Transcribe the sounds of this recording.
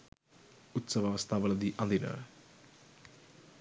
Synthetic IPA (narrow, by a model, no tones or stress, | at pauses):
ut̪sɐʋɐʋɐst̪ʰaʋɐlɐd̪iʔɐnd̪inə̰